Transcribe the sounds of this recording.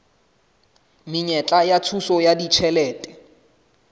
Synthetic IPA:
miɲɛt͡ɬʼajat͡sʰusɔjadit͡ʃʰɛlɛːtʼɛ

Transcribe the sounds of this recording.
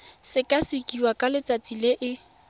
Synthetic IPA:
sɪkʼasɪkʼiwakʼalɪt͡sʼat͡sʼileʔɪ

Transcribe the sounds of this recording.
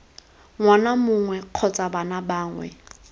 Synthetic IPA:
ŋwanamʊŋwɛq͡χʰɔt͡sʼabanabaːŋwɛ̰

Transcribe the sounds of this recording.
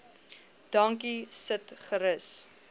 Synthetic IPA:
d̥ɐŋkisətχəɾəs

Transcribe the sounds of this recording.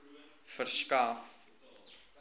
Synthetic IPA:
fərskaːf

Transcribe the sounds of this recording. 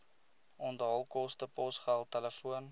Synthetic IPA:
ɔndəɦəlˠkɔstəpɔsχælˠtɛləfuən

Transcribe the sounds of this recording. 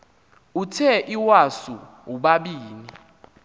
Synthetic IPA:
utʰɛʔiwasu | ɦuɓaɓiːnii

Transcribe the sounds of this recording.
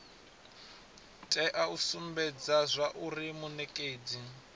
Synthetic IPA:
tʼɛʔausumbɛd͡zazʷaʔurimunɛkʼeːd͡zi

